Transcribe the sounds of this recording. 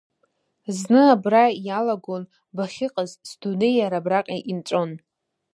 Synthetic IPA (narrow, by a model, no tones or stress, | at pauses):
znɨabrajalaɡon | baχʲɪqʼazsdunejaɾabraqʲʼaʔint͡ʃʷʼo̞n